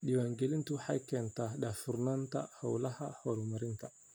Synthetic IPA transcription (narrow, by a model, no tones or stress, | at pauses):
ɗiwaŋɡelintuha̰kentaɗafuɾnanta̰ha̰wlahahoɾumaɾinta